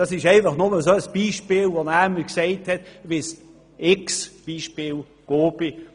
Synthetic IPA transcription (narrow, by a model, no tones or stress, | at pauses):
ɑsɪʃæɪnfɐχnʊməsoːəsb̥iːʃpɪːlvonæːməksɛɪthɛtvɪs | ɪksb̥iːʃpɪːl | ɡ̥oːbi